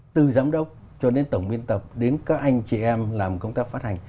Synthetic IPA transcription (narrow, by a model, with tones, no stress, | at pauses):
t̪ɨ˨˩zaː˨˦mɗə˦˥wk͡p̚ | t͡ɕɔ˧˩ne˨˦nt̪ə˧˩wŋ͡mɓi˧ənt̪ə˨˩p̚ɗe˨˦nkaː˦˥k̚ʔa˧jŋ̟t͡ɕi˧˩ʔɛ˧mlaː˨˩mkə˧wŋ͡mt̪aː˦˥k̚faː˦˥t̚ha˨˩jŋ̟